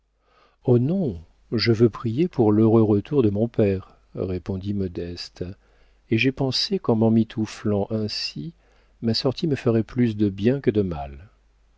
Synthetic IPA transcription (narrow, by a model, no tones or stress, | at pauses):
onɔ̃ | ʒəvøpχijepuʁløʁøʁət̪uʁd̪əmɔ̃pɛʁ | ʁepɔ̃d̪imɔd̪ɛst̪ | eʒɛpɑ̃sekɑ̃mɑ̃mit̪ʰuflɑ̃ʔɛ̃si | masɔʁt̪ʰiməfəʁɛplys̬d̪əbjɛ̃kəd̪əmal